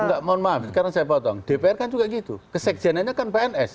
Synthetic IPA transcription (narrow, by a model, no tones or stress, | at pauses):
ŋɡaʔmanmaft̪̚kaɾəŋsajapɔt̪ɔŋɖ̥epeɛrkand͡ʒuɡaʔɡit̪ukəsɛk̚ʒ̥a̤naɲakanpeɛnʔɛs